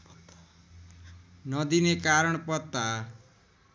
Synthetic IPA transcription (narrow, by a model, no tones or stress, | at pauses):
nʌd̪inekaɾʌɳ̃pɔt̪a